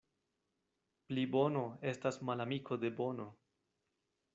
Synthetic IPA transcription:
plibo̞no̞e̞stasmalamikʰo̞d̪e̞bo̞no̞

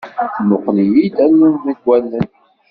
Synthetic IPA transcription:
mʊqlijid̪ænːunðiɡʷːælːən

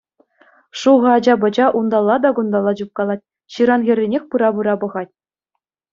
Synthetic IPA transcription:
ʂuʁɤ̆ɑd͡ʑɑbɤ̆d͡ʑɑʔund̪ɑlˠːɑd̪ɑɡund̪ɑlˠːɑd͡ʑup̚kɑlˠɑt̚ʲ | ɕɯɾɑnɣʲɘ̆rʲːenʲexʲpɯɾɑbɯɾɑbɤ̆ʁɑtʲ

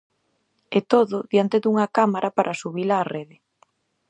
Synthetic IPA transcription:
ɛt̪oðʊðjant̪ed̪uŋakamaɾʔapaɾʔasuβilaːreðɪ

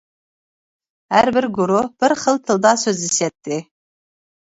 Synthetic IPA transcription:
hæɾbɪɾɡʊɾob̥ɪɾχəlt̪ʰɨld̪ɑsøziset̪ːɪ

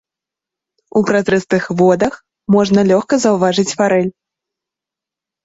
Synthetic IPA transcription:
upɾat̪ɾɛst̪ɨxvɔd̪ɐx | mɔʐnɐlʲɔxkɐzɐwvaʐɨt͡sʲfaɾɛlʲ

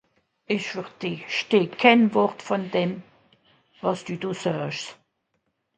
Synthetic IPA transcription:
ɪʃfəʁd̥eːʃteːkʰɛnvɔʁtfɔndɛm | vɑsd̥uːdoːsœʃs

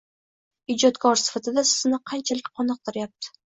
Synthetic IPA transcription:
ɪd͡ʒɒt̪kʰɒɾsɪ̥fat̪ʰɪd̪asɪ̥zɪnɪqʰɑnt͡ʃʰalɪkʲqʰɒnɨq̚t̪ɪɾɪjap̚t̪ʰɪ̥

